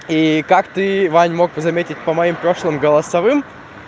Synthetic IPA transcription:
ikakt̪ɨvanʲmo̞ɡ̚bɨzɐmʲetʲɪt̚ʲpəmɐimpɾo̞ʂlˠɨmɡəlˠɐsɐvɨm

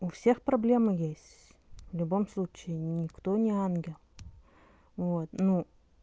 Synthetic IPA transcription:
ʊfsʲexpɾɐblʲe̞mɨjesʲtʲ | vlʲʊbo̞mslˠut͡ɕɪɪnʲɪkt̪o̞nʲɪanɡʲɪlˠ | vot̪nu

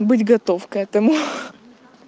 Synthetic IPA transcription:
bɨtʲɡɐt̪o̞fkɛt̪əmʊ

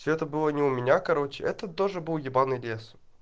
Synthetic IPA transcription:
sʲoɛt̪əbɨlˠənʲɪʊmʲɪnʲakɐɾo̞t͡ɕɪʔɛt̪ət̪o̞ʐɨbɨlˠjʲɪbanɨjlʲes

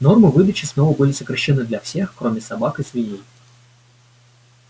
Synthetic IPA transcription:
nɔrmɨʋɨd̪ɐt͡ʃʲiznɔvɐbɨlʲizɐkɾɐʃːɛnɨd̪lʲɐwsʲixkɾɔmʲisɐbakɨzʲʋʲinʲi

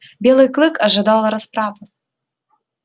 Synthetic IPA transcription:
bʲelˠɨjklˠɨkɐʐɨd̪ɑlˠɐɾɐspɾavɨ

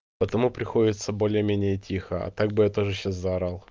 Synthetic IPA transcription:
pət̪ɐmupɾʲɪxo̞dʲɪt̪səbo̞lʲɪjəmʲenʲɪjətʲʰixəɐ̰t̪aɡ̚bɨjat̪o̞ʐɨɕːaszaɾalˠ

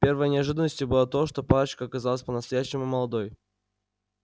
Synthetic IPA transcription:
pʲe̞rvəjənʲɪɐʐɨd̪ənəsʲtʲɪbɨlˠat̪o̞ʂt̪o̞palət͡ɕkəɐkɐzalˠəsʲpənəst̪ɐjæɕːɪmʊməlˠɐd̪o̞j

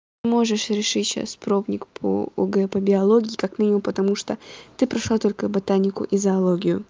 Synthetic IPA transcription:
mo̞ʐɨʂɾʲɪʂɨtʲɕa̰spɾo̞bnʲɪkpʰo̰o̰ɡɛpəbʲɪɐlˠoɡʲɪːkakmʲinʲɪmʊmpət̪ɐmuʂt̪ot̪ɨpɾɐʂlˠat̪o̞lʲkəbɐt̪anʲɪkʊ̰ʔizɐɐlˠoɡʲɪjʊ

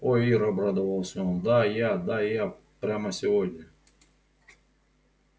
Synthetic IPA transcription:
ojiɾabɾad̪əvəlˠsʲnʲod̪ajad̪aja | pɾʲaməsʲɪvodʲnʲɐ

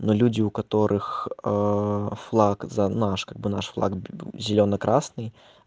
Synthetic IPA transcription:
nulʲud͡zʲiukat̪ɔɾʔɨx | flˠakzɐnaʂkaɡ̚bɨnaʂflˠa̰kzʲɪlʲɔnɐkɾʔasnɨj

